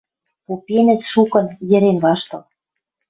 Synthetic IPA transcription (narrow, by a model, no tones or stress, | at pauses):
popenɘ̆t̪ʃukɤ̆njɘ̆ɾenβɑʃt̪ɤ̆l